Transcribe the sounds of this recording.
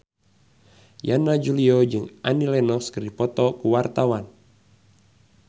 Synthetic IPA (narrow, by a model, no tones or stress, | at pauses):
janad͡ʒuliɔd͡ʒɨŋanilɛnɔskɨripɔt̪ɔkuwart̪awan